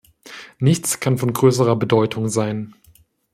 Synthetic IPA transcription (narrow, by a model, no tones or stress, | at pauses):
nɪçt͡skʰanfɔnɡʁøːs̬əʁɐbədɔʏtʰʊŋzaɪn